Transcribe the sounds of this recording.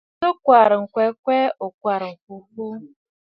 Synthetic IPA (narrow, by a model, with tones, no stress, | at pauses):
ʊ˦kʷa˨ɾɪ˨ŋ̩˨kʷe˨˦kʷe˦o˨kʷa˨ɾ̩˨ku˨ku˦